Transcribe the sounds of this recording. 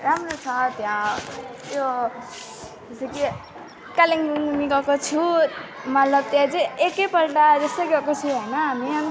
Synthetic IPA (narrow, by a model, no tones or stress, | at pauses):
ɾamrot͡sʰʌt̪jã | jo | t̪eseki | kaliŋɡuŋnikʌkot͡sʰumʌt̪lʌb̚t̪jãd͡zʌjekʌpʌlʈad͡zʌsʌɡekot͡sʰuɦʌjnʌɦamiʌni